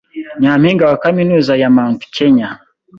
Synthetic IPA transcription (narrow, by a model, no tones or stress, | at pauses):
ɲaːmiːŋɡawakaminuːzajamaːntu̥keɲa